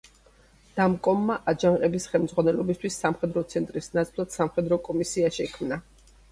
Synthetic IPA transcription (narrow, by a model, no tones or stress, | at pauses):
d̪̥amkʼɔmːaʔad͡ʒaŋqʼɛbisχɛlmd̪zʁwanɛlɔbist̪ʰwisːamχɛd̪ɾɔt̪sʰɛnt̪ʼɾisnat̪sʼlˠad̪̥samχɛd̪ɾɔkʼɔmisiaʃɛkʰmna